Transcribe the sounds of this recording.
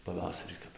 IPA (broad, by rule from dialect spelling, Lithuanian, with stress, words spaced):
pɐˈʋɑːsɐrʲiː ˈkɐp